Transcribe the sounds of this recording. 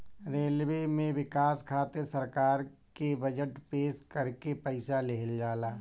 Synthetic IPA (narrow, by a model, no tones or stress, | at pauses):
ɾeːlwemẽʋɪkaːskʰaːt̪eɾsəɾkaːɾ | kebəd͡ʒəʈpeːʃkɐɾkepəɪsaleɦəld͡ʒaːlaː